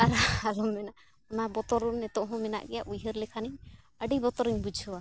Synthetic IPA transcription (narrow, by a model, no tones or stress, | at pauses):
aɾaalɔmːɛna | ɔnabɔt̪ɔɾunnɛt̪ɔʔɦɔ̃mɛna̰ʔɡɛjaʔujɦəɾlɛkʰaniɲ | əɖibɔt̪ɔɾiɲbud͡ʒʱɔwa